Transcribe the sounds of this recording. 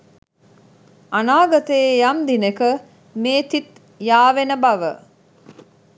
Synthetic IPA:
anaːɡat̪əejamd̪inekə | meːt̪it̪ | jaːʋenəbaʋə

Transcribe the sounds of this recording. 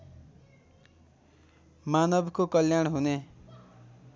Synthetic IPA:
manʌbkokʌljaɳɦune

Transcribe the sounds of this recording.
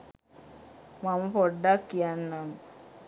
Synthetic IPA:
mamɐpoɖːakːijanːam

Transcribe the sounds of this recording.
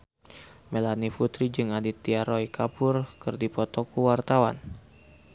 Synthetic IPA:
melanifut̪ɾid͡ʒɨŋadit̪ːiaɾɔikapʊrkɨrdipɔt̪ɔkuwart̪awa̰n

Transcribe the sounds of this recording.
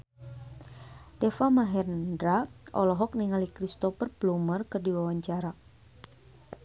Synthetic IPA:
dɛfamaɦɛrndɾaʔɔ̰lɔɦɔk̚niŋalikɾist̪ɔfərplumərkɨrdiwawaɲt͡ʃaɾa

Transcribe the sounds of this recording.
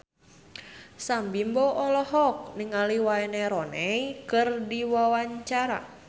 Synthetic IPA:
sambimboʔɔlɔɦɔk̚niŋaliwaɛneɾɔnɛikɨrdiwawaɲt͡ʃaɾa̰

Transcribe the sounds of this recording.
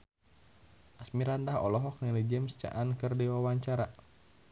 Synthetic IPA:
ʔasmiɾandaɦɔ̰lɔɦɔk̚nilid͡ʒɛmst͡ʃa̰ʔankərdiwawaɲt͡ʃaɾa

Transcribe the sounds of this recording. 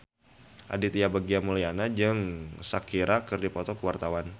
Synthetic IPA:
ʔa̰dit̪ijabaɡiamulijanad͡ʒɨŋsakiɾakɨrdipɔt̪ɔkəwart̪awan

